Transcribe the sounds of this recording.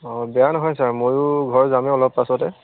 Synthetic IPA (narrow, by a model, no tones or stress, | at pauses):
ɔbɛjanɔɦɔjsaɹmojʊɡʱɔɹzamɛɔlɔpːasɔtɛ